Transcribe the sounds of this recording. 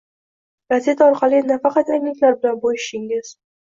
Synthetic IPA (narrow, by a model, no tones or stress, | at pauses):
bazet̪ɒɾqʰɑlˠɪnafɑqɑt̪ajnɪkʲlaɾbɪlanbojɪʃɪŋɪz̥